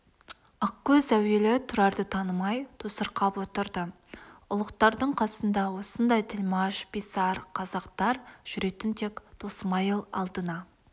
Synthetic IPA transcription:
ɑqkʲːɵzæwe̞lɪt̪ʰʊɾɑɾd̪ət̪ʰɑnəmɑjt̪ʰosəɾqɑpwo̞t̪əɾd̪ə | ʊlˠəqt̪ɑɾd̪əɴqʰɑsənd̪ɑwo̞sənd̪ɑjt̪ʰɪlmɑʃpisɑɾqʰɑzɑqt̪ɑɾʒ̥ʏɾe̞t̪ɪnt̪ʰekt̪ʰosəmɑjəlˠɑ̰lˠd̪ənɑ

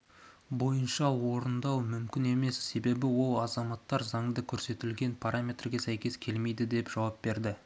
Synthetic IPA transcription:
bo̞jənʃɑwo̞ɾənd̪ɑwmʏmkʲɪne̞me̞sːe̞be̞bɪwo̞lˠɑzɑmɑt̪ːɑɾzɑŋd̪əkʲʰɵɾse̞t̪ɪlɡʲe̞npʰaɾamʲe̞t̪rɡʲe̞sæjkʲe̞skʲʰe̞lme̞jd̪ɪd̪e̞pʒ̥ɑwɑp̚be̞ɾd̪ɪ

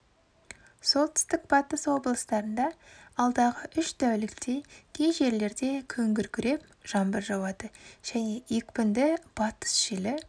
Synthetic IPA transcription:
so̞lˠt̪ʰʏ̥st̪ɪk̚b̥ɑt̪əswo̞blˠəst̪ɑɾənd̪ɑɑlˠd̪ɑʁəʔʏʃt̪æwlɪkt̪ejkʲʰejʒe̞ɾle̞ɾd̪e̞kʲʰɵŋɡʲɪɾkʲʰʏɾe̞p̚ | ʒ̥ɑmbəɾʒɑwɑd̪əʒ̥æne̞ikpɪnd̪ɪb̥ɑt̪ə̥sʒ̥elɪ

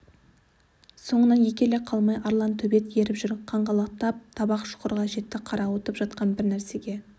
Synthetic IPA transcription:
so̞ɴənɑnje̞kʲe̞leqʰɑlˠmɑjʔɑɾlˠɑnt̪ʰɵbe̞t̪je̞ɾɪpʒʏɾqʰɑɴʁɑlˠɑqt̪ɑp̚t̪ʰɑbɑqʃʊ̥qəɾʁɑʒe̞t̪ːɪqʰɑɾɑwot̪əpʒɑt̪qɑnbɪɾnæɾse̞ɡʲe̞

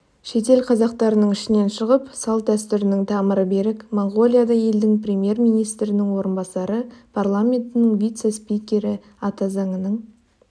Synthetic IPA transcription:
ʃe̞t̪e̞lqʰɑzɑq̚t̪ɑɾənəɴɪʃɪne̞nʃəʁəpsɑlˠd̪æst̪ʏɾɪnɪŋt̪ʰɑməɾəbe̞ɾɪkmoɴɡo̞lʲˠijad̪ɑje̞ld̪ɪŋprʲe̞mje̞rmijnijst̪ɾɪnɪŋwo̞ɾənbɑsɑɾəpʰarlˠamʲe̞nt̪ɪnɪŋvʲijt̪se̞spijkʲe̞ɾɪ | ɑt̪ɑzɑŋənəɴ

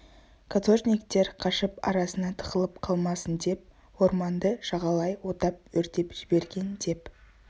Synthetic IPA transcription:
kʰat̪o̞ʒnʲijk̚t̪e̞ɾqʰɑʃəpɑ̰ɾɑsənɑt̪ʰəʁəlˠəpqʰɑlˠmɑsənd̪e̞p̚ | wo̞ɾmɑnd̪əʃɑʁɑlˠɑjwo̞t̪ɑp̚wɵɾt̪e̞pʒ̥ɪbe̞ɾɡʲe̞nd̪e̞p

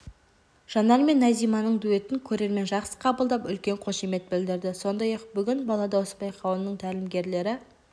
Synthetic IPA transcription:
ʒ̥ɑnɑɾme̞nːæzijmɑnəɴd̪ue̞t̪ɪŋkʲʰɵɾe̞ɾme̞nʒɑqsə̥qʰɑbəlˠd̪ɑpʏlkʲe̞ɴqʰo̞ʃeme̞t̪̚bɪld̪ɪɾd̪ɪso̞nd̪ɑjɑqbʏɡʲɪnbɑlˠɑd̪ɑwosbɑjqʰɑwənnəɴt̪ʰælɪmɡʲe̞ɾle̞ɾɪ

